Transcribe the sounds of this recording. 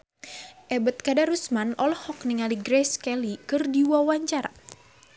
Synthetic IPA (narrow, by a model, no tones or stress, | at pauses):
ʔɛbət̪̚kadaɾusmanɔlɔhɔk̚niŋaliɡɾɛskɛlikɨrdiwawaɲt͡ʃaɾa